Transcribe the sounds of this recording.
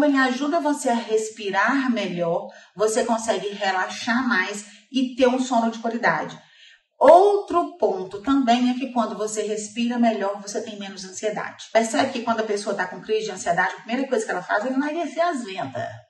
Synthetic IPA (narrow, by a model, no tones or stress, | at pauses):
ɐ̃bẽj̃aʒud̪ɐvoseɐɦespiɾaɾmeʎɔɾvosekõsɛɡɪɦelaʃaɾmajs | ɪt̪eɾũsõnʊd͡ʒɪkwalid̪a̰d͡ʒɪ | owt̪ɾʊpõnt̪ʊt̪ɐ̃mbẽj̃ɛkɪkwɐ̃nd̪ʊvoseɦespiɾɐmeʎɔɾvoset̪ẽj̃mẽnʊzɐ̃sied̪a̰d͡ʒɪ̥peɾsɛbɪkɪkwɐ̃nd̪ʊɐpesoɐt̪akõkɾizɪd͡ʒɪɐ̃sied̪ad͡ʒɪɐpɾimejɾɐkojzɐkɛlɐfa̰zɛ̃ñaɡeseazvẽnt̪ɐ̰s